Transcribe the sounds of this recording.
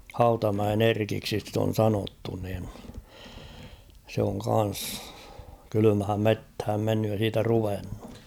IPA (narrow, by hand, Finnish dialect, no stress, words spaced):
hɑutɑmæen erkiksi sit on sɑnotːu nin se oŋ kɑn̞s kylymhæm methæm menːyj jɑ siːtæ ruʋenːu